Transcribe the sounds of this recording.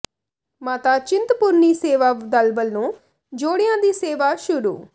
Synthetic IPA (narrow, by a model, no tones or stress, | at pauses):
maːt̪aːt͡ʃɪnt̪pʊɾniːseːʋaːd̪əlbəlnũː | d͡ʒoːɽɪjãːd̪iːseːʋaːʃʊɾṵː